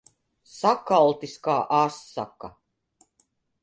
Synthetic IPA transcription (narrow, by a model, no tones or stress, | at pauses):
sakalˠt̪iskaːʔasːa̰ka